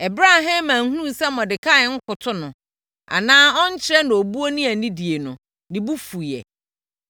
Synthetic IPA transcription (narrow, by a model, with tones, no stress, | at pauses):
ɛ˨bɾa˦ɦã˦mːã˨ŋ̩˦hu˦ũ˦˨sɛ˦mɔ̃˨dɪ˨kʰa˦˨˦ŋ̩˦kʰʊ˨tʰʊ˦nʊ̃˨ | a̰˨nãː˦ɔ˦n̩˦t͡ɕʰɪ˦ɾɛ˦nã˨o˨bu˦o˦nĩ˦a˨nĩ˦di˨e˨nʊ̃˨ | nɪ̃˨bu˦fu˨jɛ̰˨